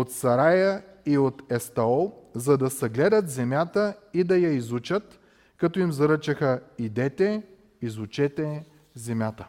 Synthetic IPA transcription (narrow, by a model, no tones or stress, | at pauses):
ot̪sɐɾajə | iot̪ɛst̪ɐɔlˠzɐd̪ɐsɐɡlɛd̪ət̪zɛmʲjat̪əid̪ɐjɐizut͡ʃət̪ | kɐt̪ɔimzɐɾət͡ʃɐxəid̪ɛt̪ɛ | izut͡ʃɛt̪ɛ | zɛmʲjat̪ə